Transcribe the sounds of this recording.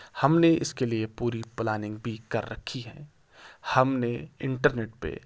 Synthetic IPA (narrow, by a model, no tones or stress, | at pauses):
hɐmneɪskeliepuːɾiplaːnɪ̃ŋɡ̚bʱikɐɾːɐ̰kʰiɦɛ̰̃ː | hɐmneɪ̃ɳʈəɾneːʈ̚pḛ